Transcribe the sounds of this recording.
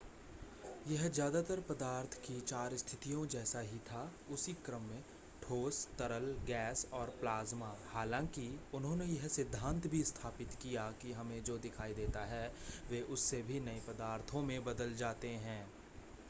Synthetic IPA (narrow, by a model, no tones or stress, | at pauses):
jɐɦzjaːd̪at̪əɾpɐd̪aːɾt̪ʰkit͡ʃaːɾst̪ʰɪt̪ijõd͡ʒɛːsaɦit̪ʰa | ʊsikɾəmːẽ | ʈʰoːst̪ɐɾəlɡɛːsɔːɾplaːzmahaːlãːkiʊnɦõːnejɐɦsɪd̪ʱːãːnt̪bʱist̪ʰaːpɪt̪kijakiɦɐmẽd͡ʒoːd̪ɪkʰaːid̪eːt̪aɦɛʋeːʔʊsːebʱinɐepɐd̪aːɾt̪ʰõmẽbɐd̪əld͡ʒaːt̪eɦɛ̃ː